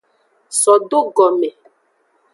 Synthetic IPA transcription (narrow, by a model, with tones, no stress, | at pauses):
sɔ˨ɖo˦ɡɔ˨mɛ˨